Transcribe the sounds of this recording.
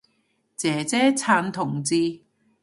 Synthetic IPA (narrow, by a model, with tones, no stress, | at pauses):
t͡sɛː˨˦t͡sɛː˥t͡sʰaː˧nt̪ʰʊ˨˩ŋt͡siː˧